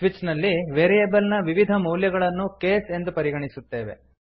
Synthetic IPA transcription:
ʋit͡ʃnɐlːiʋeːɾijebɐlnɐʋiʋid̪ʱɐmuːljɐɡɐɭɐnːukeːse̞nd̪upɐɾiɡɐɳisut̪ːeːʋḛ

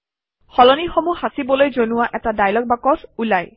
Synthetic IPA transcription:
xɔlɔnixomuhasibɔlojzonuwaʔɛtadajlɔk̚bakɔsulaj

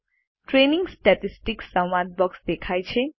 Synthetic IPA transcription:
ʈɾeniŋɡsʈɛʈisʈiksãwːad̪̚bɔksd̪ekʰajt͡ʃʰe

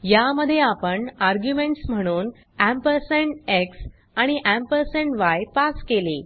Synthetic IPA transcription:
jaməd̪ʱːjeapəɳaɾɡjumeɳʈsm̤əɽ̃uːn | æmpəɾseɳʈeks | aɽ̃iʔæmpəɾseɳʈʋajpaskeli

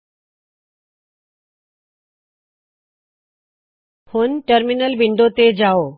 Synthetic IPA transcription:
pʰʊnʈəɾminəlbɪ̃ɳɖot̪ed͡ʑaːoː

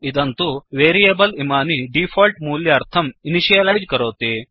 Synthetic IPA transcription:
id̪ɐnt̪uʋeːɾijeːbɐlimaːniɖipʰoːlʈmuːljɐɐɾt̪ʰɐminiʃijɐlɐjd͡ʒkɐɾoːt̪i

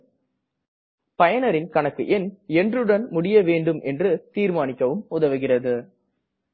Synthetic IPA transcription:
pɐjɐnɐɾɪnkɐɳɐkːɯʔɛnɛndrɯɽɐnmʊɽɪjɐʋeːɳɖɯmʔɛndrɯt̪iːɾmaːnɪkːɐʋɯmʊðɐʋɯɣɪrɐðɯ

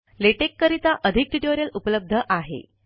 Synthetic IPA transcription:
leʈekːəɾit̪aʔəd̪ʱik̚ʈiʈoɾjəlupələb̚d̪ʱəʔaɦḛ

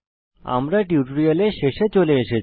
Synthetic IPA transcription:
a̰mɾaʈjuʈɾijəleɕeɕet͡ɕoleəɕe

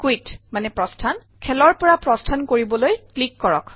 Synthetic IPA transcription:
kwitmanɛpɹɔstʰan | kʰɛlɔɹpɔɹapɹɔstʰankoɹibɔlojklikːɔɹɔ̰k

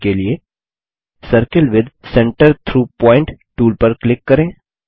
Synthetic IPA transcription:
kelie | səɾkəlʋɪd̪sɛ̃ɳʈəɾt̪ʰɾuːpɔ̃ːɪ̃ɳʈʈuːlpɐɾklɪkːɐɾẽː

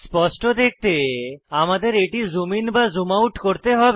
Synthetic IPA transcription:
spɔsʈod̪ek̚ʰt̪eamad̪eɾeʈizuminbazumawʈkoɾt̪eɦɔbe

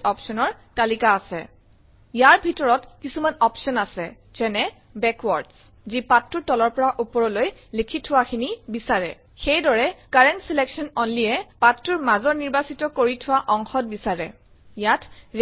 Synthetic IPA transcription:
ɔpsɔnɔɹ | talikaːsɛ̰ | jaɹbʱitɔɹɔtkisumanɔpsɔnasɛ̰ | z̥ɛnɛ | bɛkwɔɹds | zipatːuɹtɔlɔɹpɔɹaʔupɔɹɔloj | likʰitʰʊwaxʰinibisaɹɛ̰ | xejdɔɹɛkaɹɛntsilɛksɔnɔnlijɛpatːuɹmazɔɹniɹbasitɔkoɹitʰʊwaʔɔŋxɔt̚bisaɹɛ̰ | jatʰ

